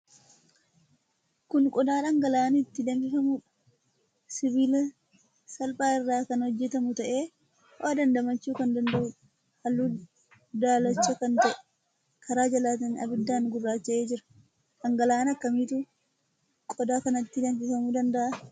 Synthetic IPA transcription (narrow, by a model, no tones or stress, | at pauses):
kʊnkʼɔd̪aːᶑɐŋɡɐlaːnɪt̪ːɪd̪ɐnfɪfɐmuːᶑ | sɪbiːlɐ | sɐlpʼaːɪrːaːkɐnhɔd͡ʒːɛt̪ɐmʊt̪ɐʔe̞ː | waːd̪ɐnd̪ɐmɐt͡ʃːuːkɐnd̪ɐnd̪ɐʔʊ | hɐlːuː | d̪aːlɐt͡ʃːɐkɐnt̪ɐʔɛ̥ | kʰɐɾaːd͡ʒɐlaːt̪ɐnɐ̰bɪd̪ːaːnɡʊrːaːt͡ʃːɐʔeːd͡ʒɪɾɐ̥ | ᶑɐŋɡɐlaːnɐkːɐmiːt̪u | kʼɔd̪aːkɐnɐt̪ːɪd̪ɐnfɪfɐmuːd̪ɐnd̪ɐʔɐ